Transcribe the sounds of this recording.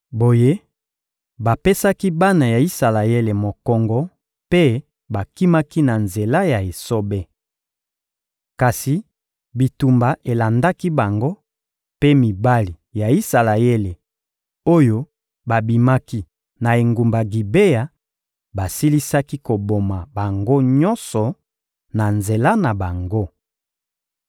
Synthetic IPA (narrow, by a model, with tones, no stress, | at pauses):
bo˨je˦ | ba˨pe˦sa˦ki˦ba˦na˨ja˨i˦sa˨la˨je˦le˨mo˨kɔ˨ŋɡɔ˦ | pe˦ | ba˨ki˦ma˦ki˦na˨nze˨la˦ja˨e˨so˦be˦ | ka˨si˨ | bi˨tu˨mba˨ʔe˨la˨nda˦ki˦ba˨ŋɡo˦ | pe˦mi˨ba˦li˨ja˨i˦sa˨la˨e˦le˨ | o˦jo˦ | ba˨bi˨ma˦ki˦ | na˨e˨ŋɡu˨mba˨ɡi˨be˦ja˨ | ba˨si˦li˦sa˦ki˦ko˨bo˨ma˨ba˨ŋɡo˦ɲɔ˦nsɔ˨ | na˨nze˨la˦na˨ba˨ŋɡo˦